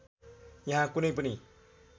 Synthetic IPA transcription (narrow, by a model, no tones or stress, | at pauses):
jaɦakunip̬uni